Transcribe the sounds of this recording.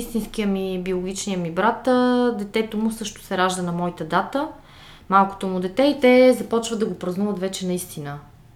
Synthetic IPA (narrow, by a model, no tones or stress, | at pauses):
ist̪insk̟ijəmibiolˠʊɡ̟ʲit͡ʃnijəmibɾat̪d̪ɛt̪ɛt̪omʊsɤʃt̪ʊ̥sɛɾaʒd̪ənɐmɔit̪əd̪at̪ə | malˠkʊ̥t̪omud̪ɛt̪ɛit̪ɛzɐpɔt͡ʃvəd̪ɐɡopɾɐznuvət̪vɛt͡ʃɛnɐist̪inə